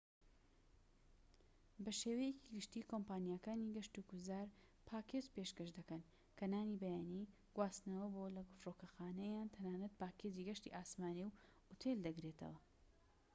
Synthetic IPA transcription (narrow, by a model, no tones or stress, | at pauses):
bɐʃeːwɐjeciɡɨʃt̪iːkompaːnijaːkaːniɡɐʃt̪ukuzaːɾ | pʰaːkeːzpeʃkɐʃd̪ɐkɐn | kʰɐnaːnibɐjaːni | ɡ̥waːst̪nɐwɐbolɐɡʊfroːkɐxaːnɐjaːnt̪ʰɐnaːnɐt̪̚paːkeziɡɐʃt̪ḭʔaːsmaːniw | ut̪ʰeld̪ɐɡɾet̪ʰɐ̰wɐ